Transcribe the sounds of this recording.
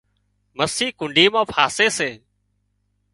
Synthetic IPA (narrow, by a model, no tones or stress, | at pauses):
məsiːkʊɳɖiːmãːpʰaːseːseː